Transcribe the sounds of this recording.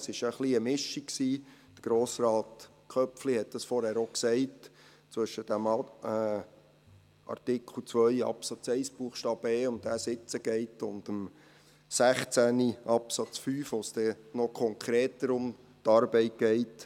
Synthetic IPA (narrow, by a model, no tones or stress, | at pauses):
sɪʃəχliəmɪʃiksiːd̥ə̥ɡ̥ɾoːsrɑːt | kʰœpflihɛt̚d̪̥ɑsfɔɾhæːɾoksɛɪt | t͡sʋʏʃəd̥æm | ʔɑ̰rtɪkʰl̩ˠt͡sʋœʏɑ̰psɑt͡sɛɪsb̥uːχʃtɑːb̥eːʊntdæːsɪt͡səɡ̥ɛɪtʊndəm | sæχt͡sæniʔɑpsɑt͡sfyːfosd̥̪ɛnɔkʰɔŋkʰɾeːtəɾʊm | t̪ɑɾbɛɪt̚ɡ̥ɛɪt